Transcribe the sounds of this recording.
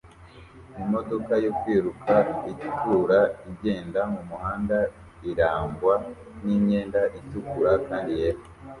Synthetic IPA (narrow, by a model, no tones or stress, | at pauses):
imo̞do̞kajokwiːɾukʰaiɟitʰuɾaiɟe̞ːndamumuhaːnda | iɾaːŋɡwa | niɲe̞ːndaʔitukuɾakaːndijeɾo